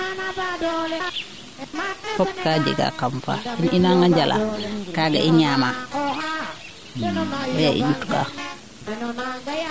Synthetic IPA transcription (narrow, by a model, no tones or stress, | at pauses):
fɔp̚kaːd͡ʒɛ̰ɡa̰kamfa̰ininaŋɡaɲd͡ʒalʔa̰kaːɡa̰ʔiɲaːma | bɛʔḭɟutka̰ː